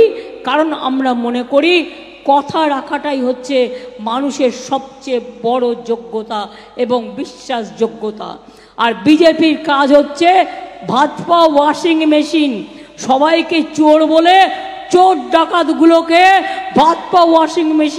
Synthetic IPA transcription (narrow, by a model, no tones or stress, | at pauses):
kaɾona̰mɾamonekoɾi | kɔt̪ʰaɾakʰaʈajɦotːɕʰemanuʃeɾʃɔb̚t͡ɕebɔɽod͡ʑoɡːot̪a | eboŋbiʃːaʃd͡ʑoɡːot̪a̰ | aɾbid͡ʑepiɾkad͡ʑʱɦotːɕʰebʱad̪pawɔʃiŋmeʃin | ʃɔbajket͡ɕoɽbolet͡ɕoʈ̚ɖakat̪ɡulokebʱad̪pawɔʃiŋmeʃi